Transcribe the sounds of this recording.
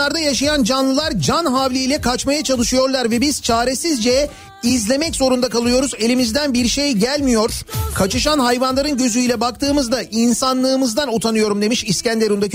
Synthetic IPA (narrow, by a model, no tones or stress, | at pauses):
aɾd̪ajaʃajand͡ʒanlˠɯlˠaɾd͡ʒanɦavlʲijlʲɛkʰat͡ʃmajat͡ʃʰalˠɯʃɯjo̞ɾlˠaɾvɛbiz̥t͡ʃʰaːɾesizd͡ʒɛ | izlʲe̞mɛcz̥o̞ɾund̪akalˠɯjo̞ɾuze̞lʲimizd̪ænbiɾʃe̞jɟælʲmijo̞ɾ̥kʰat͡ʃɯʃanɦajvanlˠaɾɯnɟø̞zyjlʲɛbak̚t̪ʰɯːmɯzd̪ainsanlˠɯːmɯzd̪anot̪ʰanɯjo̞ɾumd̪e̞miʃiscænd̪eɾund̪ac